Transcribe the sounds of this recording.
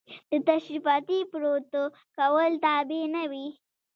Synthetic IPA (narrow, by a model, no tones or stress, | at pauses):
d̪̥ət̪aʃɾifɑt̪ipɾot̪o | kawəlt̪abenawi